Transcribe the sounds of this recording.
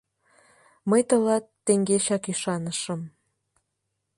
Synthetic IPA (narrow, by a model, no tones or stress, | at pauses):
məjt̪ə̆lɑt̪ːeŋɡeɕɑkyʃɑnəʃəm